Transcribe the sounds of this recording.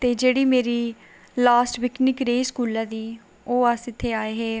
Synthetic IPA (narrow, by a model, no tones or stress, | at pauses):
t̪eːd͡ʒeːɽiːmeːɾiː | laːsʈʋɪknɪkɾeːskuːlaːd̪iː | oːəsɪt̪ʰːeːaːeːɦeː